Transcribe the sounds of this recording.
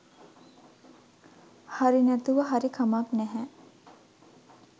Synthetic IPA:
haɾinæt̪uʋəɦaɾikʰamaknæɦɛ

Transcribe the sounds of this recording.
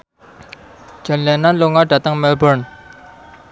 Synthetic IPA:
t͡ɕənlɛnːanloʔŋaʈ͡ʂat̪aŋmɛlbəɹn

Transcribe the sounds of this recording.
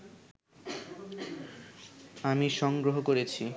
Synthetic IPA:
amiʃɔŋɡɾoɦokoɾet͡ɕʰi

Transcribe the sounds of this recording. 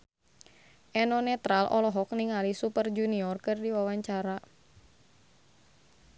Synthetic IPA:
ʔɛnɔnɛt̪ɾalʔɔ̰lɔɦɔk̚niŋalisupərd͡ʒuniɔrkɨrdiwawaɲt͡ʃaɾa

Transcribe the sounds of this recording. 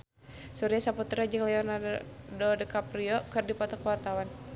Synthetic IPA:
suɾiasaput̪ɾad͡ʒɨŋlɛɔnaddɔdəkapɾiɔkɨrdipɔt̪ɔkəwart̪awan

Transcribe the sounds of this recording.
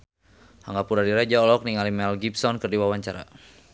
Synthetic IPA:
haŋɡapuɾadiɾad͡ʒaɔlɔk̚niŋalimɛlɡipsɔnkərdiwawaɲt͡ʃaɾa̰

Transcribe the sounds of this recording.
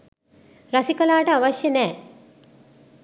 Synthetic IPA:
ɾɐsikəlaːʈəaʋaʃjɐnɛː

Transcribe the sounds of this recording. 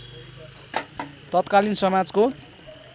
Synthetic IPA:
t̪ʌt̪kalinsʌmad͡zko

